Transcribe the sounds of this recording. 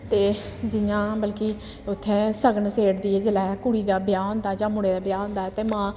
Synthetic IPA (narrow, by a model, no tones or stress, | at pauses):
t̪eːd͡ʒɪjãːbəlki | ʊt̪ʰːɛ̃ːsəɡnseːɽd̪iːɛːd͡ʒəlɛːkʊɽiːd̪aːbɪjaːɦõːnd̪aːd͡ʒãːmʊɽeːd̪aːbjaːɦʊ̃ːnd̪aːɛt̪eːmãː